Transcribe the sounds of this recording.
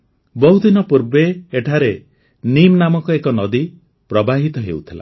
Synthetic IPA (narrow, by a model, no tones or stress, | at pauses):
bɔɦud̪inɔpuɾbeːʈʰaɾe | nimnamɔkɔekɔnɔd̪i | pɾɔbaɦit̪ɔɦeut̪ʰila̰